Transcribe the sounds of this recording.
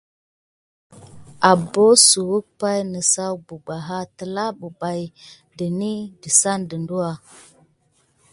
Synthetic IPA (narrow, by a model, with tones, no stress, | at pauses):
a˨bo˦su˨wu˦k̚pa˦jnə˨sa˦wbu˨ɡ͡ba˨ɦa˦tə˨la˦bu˨ba˨j | də˨ni˦də˨sa˦ndə˨ndu˦wa˨